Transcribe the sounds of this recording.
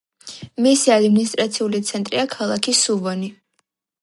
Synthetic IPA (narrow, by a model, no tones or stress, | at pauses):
misiad̪minist̪ʼɾat̪sʰiulit̪sʰɛnt̪ʼɾiakʰalˠakʰisuvɔni